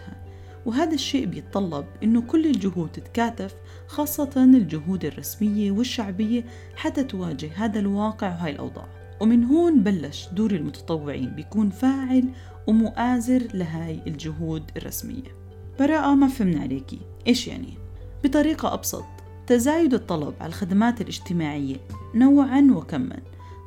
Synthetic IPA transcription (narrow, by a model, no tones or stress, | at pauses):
ha | wɦaːd̪aʃːeːʔbɪjɪt̪̚ˤːɑlːɑb̚ʔɪnːʊkʊlːɪld͡ʒʊɦuːd̪ɪt̪kaːt̪af | xɑːsˤːɑt̪ɑnɪld͡ʒʊɦuːd̪ɪrˤːɑsmɪjːawɪʃːaʕbɪjːa | ħat̪ːat̪waːd͡ʒɪhɦaːd̪alwɑːqɪʕwɦaːjɪlʔɑ̰wd̪ˤɑ̰ːʕ | wɪmɪnɦoːnbalːaʃd̪uːɾɪlmʊt̪ɑ̥t̪ˤɑwːɪʕḭːnbɪjakuːnfaːʕɪl | wɪmʊʔaːzɪɾlɪɦaːjɪld͡ʒʊɦuːd̪ɪ̰rˤːɑ̰smɪ̰jːa̰ | b̥ɑɾˤɑːʔamafhɪmnʕa̰leːkḭ | ʔeːʃja̰ʕnḭ | b̥ɨt̪ˤɑɾiːqɑʔɑ̰bsˤɑ̰t̪ˤ | t̪azaːjʊd̪ɨt̪ˤːɑlɑ̰bʕa̰lalxad̪amaːt̪ɪlʔɪd͡ʒt̪ɪmaːʕɪjːanawːʕanwɪkamːa̰n